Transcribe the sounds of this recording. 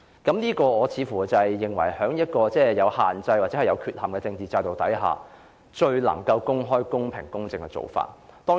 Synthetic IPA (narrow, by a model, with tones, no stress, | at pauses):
kɐ˨˥mniː˥kɔː˧ɔː˨˧t͡sʰiː˨˧fuː˨˩t͡sɐ˨jːɪ˨ŋwɐ˨˩jhœː˨˥ŋjɐ˥t̚kɔː˧t͡sɛː˥˧jɐ˨˧whaː˨nt͡sɐ˧jwaː˨t͡sɛː˨˥ɐ˨˩jɐ˨˧wkʰyː˧t̚hɐ˨mkɛː˧t͡sɪ˧ŋt͡siː˨t͡saː˧jt̪o˨wt̪ɐ̰˨˥jɦa̰ː˨ | t͡ʃɵ˧ɥlɐ̰˨˩ŋkɐ˧wkʊ˥ŋɦɔː˥jkʊ˥ŋpʰɪ̰˨˩ŋkʊ˥ŋt͡sɪ˧ŋkɛ˧t͡so̰˨wfa̰ː˧˩t̚t̪ɔː˥